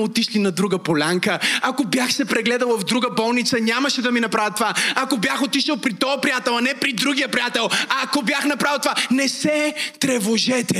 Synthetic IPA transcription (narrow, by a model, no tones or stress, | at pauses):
ot̪iʃlinɐd̪ɾuɡəpolʲaŋkəakobjaxsɛpɾɛɡlɛd̪əlˠvɐvd̪ɾuɡəbɔlˠnit̪sɐnʲaməʃɛd̪ɐminɐpɾavət̪ːovaɐkobjaxot̪iʃəlˠpɾit̪ɔɐpɾijat̪ɛlˠɐnɛpɾid̪ɾuɡʲijəpɾijat̪ɛlˠɐkobjaxnɐpɾavɛlˠt̪ovanɛsɛt̪ɾɛvoʒɛt̪ɛ